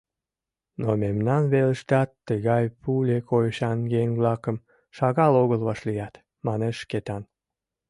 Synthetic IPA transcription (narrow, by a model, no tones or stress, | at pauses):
nomemnɑnβeləʃt̪ɑt̪ːəɣɑjpulʲekojəʃɑnjeŋβlɑkəm | ʃɑɣɑloɣəlβɑʃlijɑt̪ | mɑneʃket̪ɑn